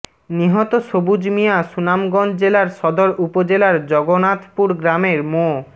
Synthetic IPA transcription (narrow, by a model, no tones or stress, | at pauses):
niɦɔt̪oʃobud͡ʑmijaʃunamɡɔnd͡ʑelaɾʃɔd̪oɾupod͡ʑelaɾd͡ʑɔɡonat̪puɾɡɾameɾmo